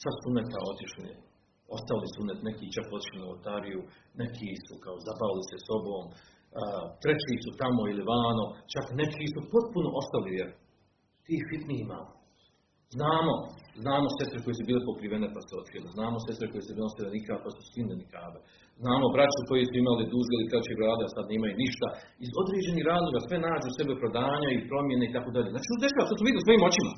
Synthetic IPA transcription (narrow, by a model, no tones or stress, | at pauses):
sat̪sunet̪a̰ot̪iʃlinḛ | o̞st̪alisunet̪nekiːt͡ʃakot̪i̥ʃlinao̰t̪aːɾiju | nekʰiːsukaozapaʋiliseso̞bo̞ːmː | t̪ɾet͡ɕiːsut̪amoiliʋaːnot͡ʃakne̞kʰiːsupo̞t̪̚punoʔo̞st̪alijeɾ | t̪iːfit̪niima̰ːmo | znaːmo̞znaːmo̞se̞st̪ɾeko̞jesubiːlepokɾiʋenepaseot̪kiloznaːmose̞st̪ɾeko̞jesebiːloseenikapasu̥skind̪enikaːbe | znaːmo̞bɾat͡ɕuko̞jesuimalid̪uzelikɾat͡ɕeɡɾaːd̪easad̪neːmajuniʃt̪aizo̞d̪ɾeːd͡ʑe̞nihɾaːzlˠo̞ɡasʋe̞naːd͡ʑuse̞bepɾo̞d̪aːɲaipɾo̞mje̞neit̪akoːd̪aʎeːnaːt͡ʃi̥osd̪eʃaːʋat̪osmoid̪iliso̞iːmo̞t͡ɕima